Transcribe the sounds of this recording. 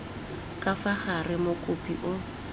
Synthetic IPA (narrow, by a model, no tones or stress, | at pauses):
kʼafaχarɪmʊkʼʊpʼḭʔʊ